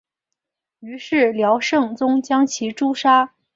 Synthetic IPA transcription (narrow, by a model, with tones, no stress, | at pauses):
y˧˥ʂɻ̩˥˩ljɑ˧˥ʊʂɤ˥˩ŋt͡sʊ˥ŋt͡ɕjɑ˥ŋt͡ɕʰi˧˥ʈ͡ʂu˥ʂa˥